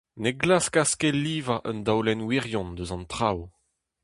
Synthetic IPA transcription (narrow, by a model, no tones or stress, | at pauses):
neɡlaskaskeliːvaʔœnd̪awlɛnwiʁjɔ̃nd̪øzɑ̃nt̪χaw